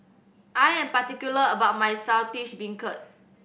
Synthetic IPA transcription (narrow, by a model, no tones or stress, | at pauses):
ʔajɛ̃mpatikjuləəbaʊt̚majsawtiʃbĩŋkət̚